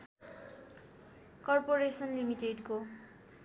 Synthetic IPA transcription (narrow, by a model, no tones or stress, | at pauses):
kʌrpoɾesʌnlimiʈeɖko